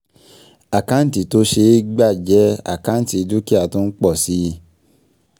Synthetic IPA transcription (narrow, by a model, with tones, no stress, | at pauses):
a˨kã˦n̩˦ti˨to˦ʃe˧˦ɡ͡ba˦˨d͡ʒɛ˨˦a̰˦˨kã˨˦n̩˦ti˧i˧du˦ki˦a˨tũ˧˦n̩˦k͡pɔ˦˨si˦˧˦